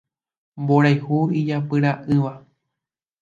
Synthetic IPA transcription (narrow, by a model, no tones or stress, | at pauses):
mboɾajhuid͡ʒapɨɾaʔɨʋa